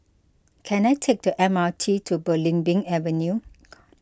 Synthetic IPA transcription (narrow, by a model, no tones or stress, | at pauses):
kʰɛ̃najtʰek̚dəʔɛ̃matʰitʰubəlĩŋbĩŋɛvə̃nju